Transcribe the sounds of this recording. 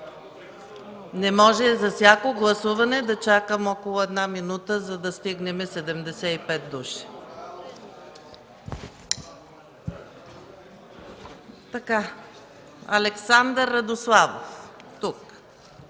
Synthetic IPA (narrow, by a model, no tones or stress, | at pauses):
nɛmɔʒɛzɐfsʲjakoɡlˠɐsuvɐnɛd̪ɐt͡ʃakəmɔkolˠʊɛd̪naminut̪əzɐd̪ɐst̪iɡnɛmɛsɛd̪ɛmd̪ɛsɛipɛt̪̚d̪uʃi̥ | t̪ɐka | ɐ̰lɛksand̪əɾːɐd̪oslˠavo̰ft̪uk